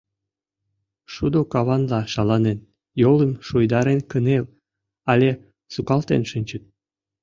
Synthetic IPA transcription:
ʃud̪okɑβɑnlɑʃɑlɑnen | joləmʃujd̪ɑɾenkənel | ɑlʲe | sukɑlt̪ḛnʃɨnʲt͡ɕə̆t̪̚

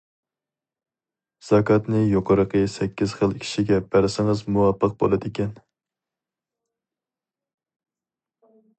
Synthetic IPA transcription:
z̥ɑkʰɑt̪nɨjoqʰəɾəqʰəsɛkʲːiz̥χəlˠkʲʰi̥ʃiɡʲɛbæɾsɪŋəzmuwɑpːəq̚bo̰lˠɨd̪ɪkʲɛn

